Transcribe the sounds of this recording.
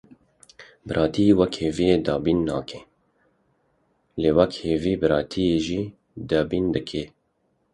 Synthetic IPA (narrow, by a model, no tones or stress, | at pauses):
bɨɾʔɑːt̪ʰiewɛkheːvijeːd̪ɑːbiːnːɑ̰ːkʰe | leːwɛkheːviːbɨɾɑːt̪ʰijeːʒiː | d̪ɑːbiːnd̪ɨkʰe